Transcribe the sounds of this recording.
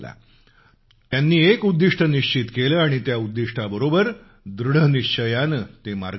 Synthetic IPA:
la̰ | t̪janːiːekud̪ːiʂʈʰəniɕt͡ɕit̪keləːaɽ̃it̪jaud̪ːiʂʈʰabəɾobəɾ | d̪ɾuɽ̤əniʂt͡ɕəjanət̪ema̰ɾɡ

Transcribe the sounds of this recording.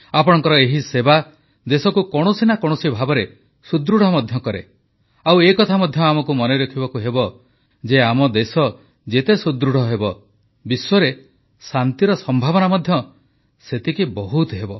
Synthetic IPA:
apɔɽ̃ɔŋkɔɾɔeɦiseba | d̪esɔkukɔɽ̃osinakɔɽ̃osibʱabɔɾe | sud̪ɾuɽ̤ɔmɔd̪ʱjɔkɔɾe | awekɔt̪ʰamɔd̪ʱjɔamɔkumɔneɾekʰibɔkuɦebɔ | d͡ʒeamɔd̪esɔ | d͡ʒet̪esud̪ɾuɽ̤ɔɦebɔ | biswɔɾe | sant̪iɾɔsɔmbʱaβɔnamɔd̪ʱjɔ | set̪ikibɔɦut̪ɦebɔ

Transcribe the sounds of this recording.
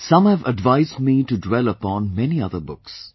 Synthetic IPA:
sʌ̃mhævəɖʋaɪzɖ̚miːʈuɖwɛləpɔ̃ːnmɛniʌðəbʊks

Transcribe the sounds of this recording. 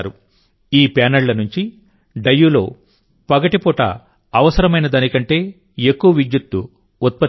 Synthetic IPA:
ɾu | iːpaːnɐɭlɐnuɲt͡ʃi | ɖɐjːulo̞̰ː | pɐɡɐʈipɔːʈɐ̰ | ɐʋɐsɐɾɐmɐjnɐd̪aːnikɐɳʈe̞ː | ekːuʋɐʋid̪jut̪ːu | ut̪̚pɐ

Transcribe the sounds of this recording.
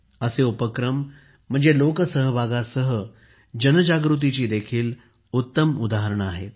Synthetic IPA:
əseupəkɾəm̤ː | əɳd͡zelokəsəɦəbʱaɡasəɦə | d͡ʑənəd͡ʑaɡɾut̪̬it͡ɕiːd̪ekʰiːl | ut̪ːəmud̪aɦəɾəɳ̃a̰ɦḛt̪̚

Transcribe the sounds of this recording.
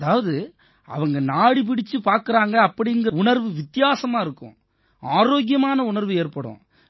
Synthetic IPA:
ɐðaːʋɐðɯ | ɐ̰ʋɐŋɡɐnaːɽip̬ɪɽɪt͡ʃːɯpaːɾkɯɾaːŋɡɐːpːɐɽɪɪŋɡɯɾɐʊɳɐɾʋɯʋɪt̪ːɪjaːsɐmaːɪɾɯkːʊ̰̃ | aːɾoːɡjɐmaːnɐʊɳɐɾʋɯeːɾpɐɽʊ̰̃ː

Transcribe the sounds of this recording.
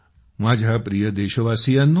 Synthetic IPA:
mad͡ʒʱapɾijəd̪eʃəʋasijanːu

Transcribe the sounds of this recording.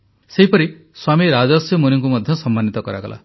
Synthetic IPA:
seɦipɔɾi | swamiɾad͡ʒɔsjɔmoniŋkumɔd̪ʱjɔsɔmːanːit̪ɔkɔɾa̰ɡɔ̰lʔa̰

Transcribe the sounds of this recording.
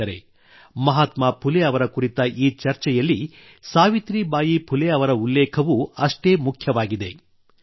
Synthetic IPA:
ɐɾe̞̰ | mɐɦaːt̪maːpʰuleɐʋɐɾɐkuɾit̪ɐʔiːt͡ʃɐɾt͡ʃɛjɐlːi | saːʋit̪ɾibaːjipʰuleɐʋɐɾɐulːɛːkʰɐʋuɐʂʈe̞ːmukʰjɐʋaːɡid̪e̞̰

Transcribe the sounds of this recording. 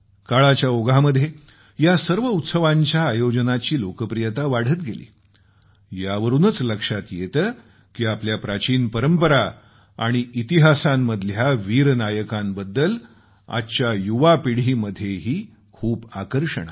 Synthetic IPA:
kaɭat͡ɕjaoɡʱaməd̪ʱːje | jasəɾʋəut̪səʋaɲt͡ɕjaːjod͡ʑnat͡ɕiːlokəpɾijət̪aʋaɽ̤ət̪ɡelḭː | jaʋəɾuːnət͡sləkʂat̪jet̪ə | kiːapljapɾat͡ɕiːnpəɾəmpəɾa | a̰ɽ̃iit̪iɦasamːəd̪ʱljaʋiːɾnajəkambəd̪ːəl | a̰t͡ɕjajuʋapiɽ̤iːməd̪ʱjeɦiː | kʰuːbakəɾʂə̰ɳ̃a̰

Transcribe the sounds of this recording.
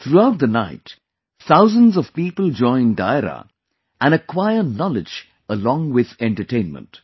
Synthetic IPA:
t̪ʰɾuaʊʈ̚d̪ənaɪt | θaʊzə̃nzɔv̥piːpəld͡ʒɔ̃ɪ̃nɖa̰ɪɾa̰ | ʔæ̃nəkʰwaɪənɔlɪd͡ʒ | əlɔ̃ŋwɪð̥ɛ̃nʈəʈẽɪ̃nmə̰̃nt

